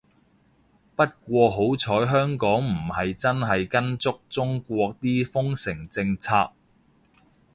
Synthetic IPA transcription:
pɐ˥t̚kʷɔː˧ɦo˨˥wt͡sʰɔː˨˥jɦœː˥ŋkɔː˨˥ŋm̩˨˩hɐ˨jt͡sɐ˥nɦɐ˨jkɐ˥nt͡sʊ˥k̚t͡sʊ˥ŋkʷɔː˧k̚t̪iː˥fʊ˥ŋsɪ˨˩ŋt͡sɪ˧ŋt͡sʰa̰ː˧k̚

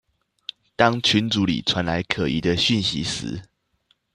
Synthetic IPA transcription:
t̪ɑ˦ŋt͡ɕʰy˨˦nt͡su˨˦lḭ˨˩t͡sʰwa˨˦nla˧˦ɪkʰə˨˩ḭ˨˦d̪ə˧ɕy˥˨nɕḭ˨˦sɹ̩̰˨˦

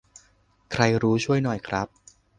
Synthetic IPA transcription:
kʰɾa˧jɾuː˦˥t͡ɕʰu˥˩əjnɔ˨˩jkʰɾa˦˥p̚

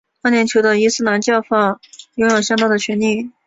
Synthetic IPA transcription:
ɑ˥˩njɛ˧˥nt͡ɕʰjo˧˥ʊd̪ə˧i˥sɹ̩˥˩na˧˥nt͡ɕjɑ˥˧ʊfɑ˥˩ŋjʊ˥ŋjo˨˩ʊɕjɑ˥ŋt̪ɑ˥˩d̪ə˩t͡ɕʰɥɛ˧˥ni˥˩

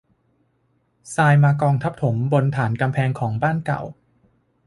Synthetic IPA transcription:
saː˧jmaː˧k̬ɔː˧ŋt̪ʰa˦˥p̚t̪ʰo˩˦mbo˧nt̪ʰaː˩˦nka˧mpʰɛː˧ŋkʰɔː˩˦ŋbaː˥˩nka̰˨˩w

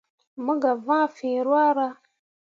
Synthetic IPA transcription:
mə˦ɡa˨va˦˨fi˨ɾwa˦ɾa˦

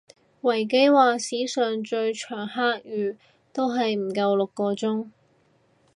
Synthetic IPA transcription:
wɐ˨˩jke˥jwaː˨siː˨˥sœː˨ŋt͡ʃɵ˧ɥt͡ʃʰœː˨˩ŋhaː˥k̚jyː˨˧ | t̪o˥wɦɐ˨jm̩˨˩kɐ˧wlʊ˨kːɔː˧t͡sʊ˥ŋ

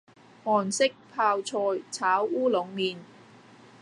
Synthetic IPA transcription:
hɔː˨˩nsɪ˥k̚pʰaː˧wt͡sʰɔː˧jt͡sʰaː˨˥wuː˥lʊ˨˥ŋmiː˨˧n

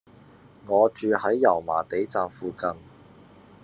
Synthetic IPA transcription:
ŋɔː˨˧t͡ʃyː˧hɐ˨˥jːɐ˨˩wma̰ː˨˩t̪e˨˥jt͡saː˧mfuː˧kɐ˧n

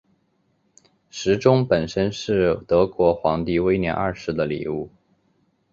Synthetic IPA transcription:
ʂɻ̩˧˥ʈ͡ʂʊ˥ŋpə˨˩nʂə˥nʂɻ̩˥˩t̪ɤ˧˥kwɔ˧˥xwɑ˧˥ŋt̪i˥˧we˥ɪnjɛ˧˥nɐ̰˞˥˧ʂɻ̩˧˥d̪ə˨lḭ˨˩u˥˩

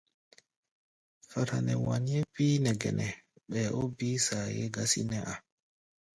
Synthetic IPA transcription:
fa˨ɾa˨nɛ˨wa˨nje˦pi˦nɛ˨ɡɛ˨nʔɛ˨ɓɛ˨ʔɔ˦biː˦sa˨jḛ˦ɡa˦si˦nɛ˦ʔa˨

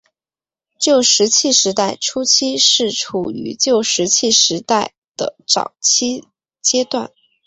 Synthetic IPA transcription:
t͡ɕjo˥˩ʊʂɻ̩˧˥t͡ɕʰi˥˩ʂɻ̩˧˥t̪a˥˩ɪʈ͡ʂʰu˥t͡ɕʰi˥ʂɻ̩˥˩ʈ͡ʂʰu˨˩y̰˧˥t͡ɕjo˥˩ʊʂɻ̩˧˥t͡ɕʰi˥˩ʂɻ̩˧˥t̪a˥˩ɪ | d̪̥ə˩ʈ͡ʂɑ̰˨˩ʊt͡ɕʰi˥ | t͡ɕjɛ˥t̪wa̰˥˩n

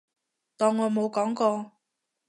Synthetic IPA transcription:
t̪ɔː˧ŋːɔː˨˧mo˨˧wkɔː˨˥ŋkɔː˧

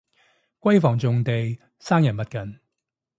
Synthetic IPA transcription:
kʷwɐ˥jfɔː˨˩ŋt͡sʊ˨˧ŋt̪e˨j | saː˥ŋjɐ˨˩nmɐ˦˥t̚kɐ˨n

